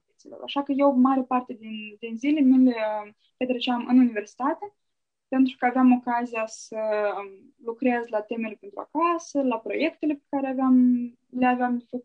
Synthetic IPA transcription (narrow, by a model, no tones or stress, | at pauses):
t̪it̪silo̰ɾa̰ʃakəje̞wmaɾepart̪e̞d̪ind̪inzile̞mile | pet̪ɾet͡ʃeamʔɨ̰nunive̞rsi̥t̪at̪e̞ | pe̞nt̪ɾukəaveamo̞kazijasə | lukɾezlat̪e̞me̞lepent̪ɾua̰kasəlapɾo̞je̞kt̪e̞le̞pe̥kaɾeaveam | leaveamd̪efəku